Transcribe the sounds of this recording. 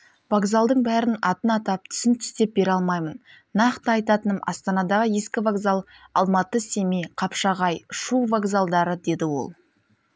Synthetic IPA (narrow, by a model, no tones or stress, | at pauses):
vaɡzalˠd̪əɴbæɾɪnɑt̪ənɑt̪ɑp̚t̪ʰʏ̥sɪnt̪ʰʏ̥st̪e̞p̚be̞ɾɑlˠmɑjmənː | ɑqt̪əɑjt̪ɑt̪ənəmʔɑ̰st̪ɑnɑd̪ɑʁəjeskʲɪvaɡzalˠ | ɑ̰lˠmɑt̪əse̞mijqʰɑpʃɑʁɑjʃuvaɡzalˠd̪ɑɾəd̪e̞d̪ɪwo̰lˠ